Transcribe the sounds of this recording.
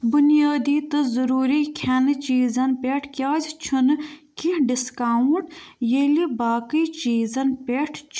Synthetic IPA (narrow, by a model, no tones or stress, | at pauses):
bʊnijaːd̪iːt̪ɨzɐɾuːɾikʰɐnt͡ʃiːzɐnpʲeʈʰkʲjaːd͡ʒt͡ʃʰunkiɖiskaːũɳʈjelibaːkiːt͡ʃiːzɐnpʲeʈʰt͡ʃʰ